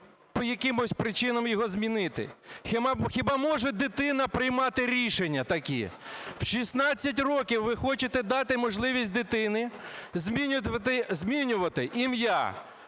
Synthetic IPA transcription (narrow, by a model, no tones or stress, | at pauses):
pɔjɐkɪmɔsʲpɾɪt͡ʃɪnɐmjɔɦɔzmʲinɪt̪ɪ̰xɪmxʲɪbɑmɔʒɛd̪ɪt̪ɪnɐpɾɪjmɑt̪ɪɾʲiʃenʲːɐt̪ɐkʲḭwʃisnɑt͡sʲːɐt̬ʲrɔkʲiwːɪxɔt͡ʃɪt̪ɛd̪ɑt̪ɪmɔʒlˠɪʋʲisʲt̚ʲd̪ɪt̪ɪnɪzʲmʲit̪ɪzʲmʲinʲʊʋɐt̪ɪʔimja̰